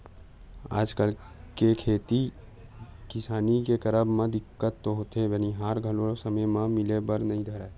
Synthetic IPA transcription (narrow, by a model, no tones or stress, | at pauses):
a̰ːd͡ʒkəl | kekʰeːt̪i | kɪsaːnikekəɾəbmãd̪ɪkːət̪ːoɦoːt̪ebəniɦaːɾɡʱəlosəməjmãmɪlebəɾnəɦĩd̪ʱəɾa